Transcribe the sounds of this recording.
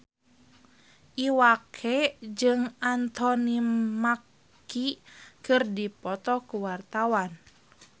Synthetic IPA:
ʔiwakʰɛd͡ʒɨŋant̪ɔnimakː | ikɨrdipɔt̪ɔkuwart̪awan

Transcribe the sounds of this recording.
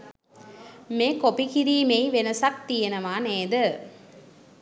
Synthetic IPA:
mekopikɪɾiːmeɪʋenɐsɐk̚t̪ijɛnɐmaːneːd̪ɯ

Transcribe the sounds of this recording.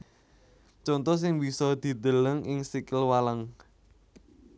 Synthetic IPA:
t͡ʃɔnt̪ɔs̬ɪŋbisɔd̪̥i̤d̪ələŋʔɪŋsikɪlwalaŋ

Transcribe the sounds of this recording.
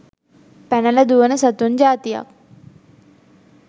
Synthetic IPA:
pɛnɐlɐd̪uʋɐnəsɐt̪und͡ʑaːt̪ijɐ̰k̚

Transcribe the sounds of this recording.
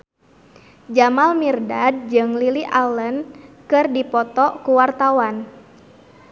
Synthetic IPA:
d͡ʒamalmirdad̚d͡ʒɨŋliliʔalənkɨrdipɔt̪ɔkuwart̪awan

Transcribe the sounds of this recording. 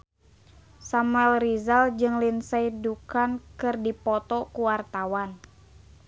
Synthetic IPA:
samuɛlrizald͡ʒɨŋlinsaidukankɨrdipɔt̪ɔkuwart̪awan

